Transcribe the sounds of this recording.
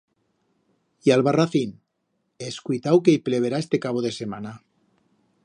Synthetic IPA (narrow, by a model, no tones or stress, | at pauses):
ialβaraθin | eskujt̪awkeipleβ̞eɾaest̪ekaβoðesemana